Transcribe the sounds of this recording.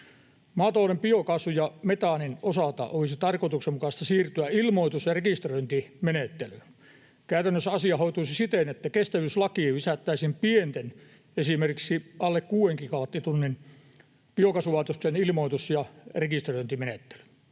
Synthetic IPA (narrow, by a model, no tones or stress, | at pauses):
mɑːt̪oˑlempiokɑsujɑmet̪ɑninosɑt̪ɑ̰ʔoʋisit̪ɑrkot̪uksemmukɑst̪ɑsiːrt̪yæilmoit̪usjɑrekist̪roint̪imenet̪ːely | kæyt̪ænːøsɑsiɑhoit̪usisit̪enet̪ːækest̪æʋyslɑkiːʋisæt̪ːæisimpient̪en | esimerkiksiɑlːekkuːeŋkikɑʋt̪ːit̪unːin | piokɑsuʋɑːt̪ost̪enilmoit̪usjɑrekist̪roint̪imenet̪ːe̥ly̥